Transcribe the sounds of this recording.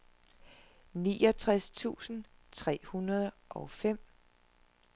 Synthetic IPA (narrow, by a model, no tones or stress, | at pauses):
niːɒt͡sʰʁast͡sʰṵːsn̩t͡sʰʁɛ̰ːhunɐð̞ˠ | ʔɒ̽fem̰